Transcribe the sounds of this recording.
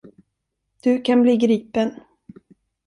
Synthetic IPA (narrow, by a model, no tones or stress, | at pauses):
d̪̥ɵkʰanbliːɡɾiːpən